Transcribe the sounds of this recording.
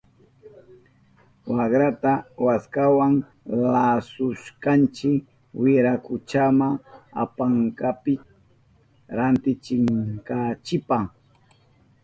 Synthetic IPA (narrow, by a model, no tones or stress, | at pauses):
wakɾat̪awaskawaŋ | lasʊʃkant͡ʃɪk | wɪɾakʊt͡ʃamaa̰paŋkapɪ | ɾant̪ɪt͡ʃɪmkat͡ʃɪpah